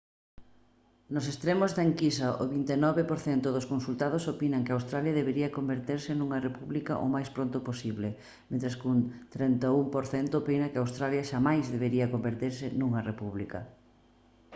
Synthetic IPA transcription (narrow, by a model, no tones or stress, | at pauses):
nosest̪ɾemozðaeŋkisɐʔoβint̪enɔβepoɾθɛnt̪ʊðoskonsult̪að̞osopinɐŋkɪawst̪ɾaljɐðeβeɾiɐkombeɾt̪eɾsɪnuŋɐrepuβlikɐ̰ʔo̰majspɾont̪ʊposiβlɪ | mẽnt̪ɾɐskunt̪ɾɛnt̪aumpoɾθɛnt̪ʊpenɐkɪawst̪ɾaljɐʃamajzðeβeɾiɐkombeɾt̪iɾsɪnuŋɐrepuβlikɐ̰